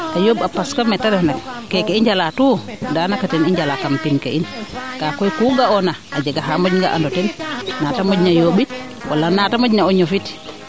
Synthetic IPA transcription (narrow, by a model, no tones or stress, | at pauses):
kajobapaskamɛtaɾɛnakkːɛkeiɲd͡ʒalatudanakatɛniɲd͡ʒalakampinkeʔinkakɔjkuɡaɔnaʔad͡ʒaɡaɦamod͡ʒŋɡa̰ʔa̰ndɔtɛnnatamɔd͡ʒɲajoɓit | wʔalːanatamod͡ʒɲaɔɲːɔfit